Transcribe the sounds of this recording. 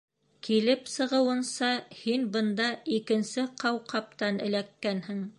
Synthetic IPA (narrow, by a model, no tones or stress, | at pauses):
kilɘpsɤ̆ʁɤ̆wɤ̆nsɑhinbɤ̆nd̪ɑikɘ̆nsɘqɑwqɑp̚t̪ɑnɘ̰̆lækːænhɘŋ